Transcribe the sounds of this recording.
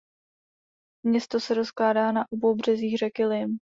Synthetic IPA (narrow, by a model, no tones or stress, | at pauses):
mɲɛst̪o̞sɛɾo̞sklaːdaːnaʔo̞bo̞wbr̝̥ɛziːxrɛkɪlɪm